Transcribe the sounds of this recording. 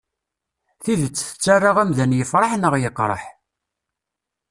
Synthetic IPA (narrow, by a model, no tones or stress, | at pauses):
θiðət͡sːθə̥t͡sːarˤːɑʁæmðænjəfɾˤɑħnəʁjəqːɾˤɑ̰ħ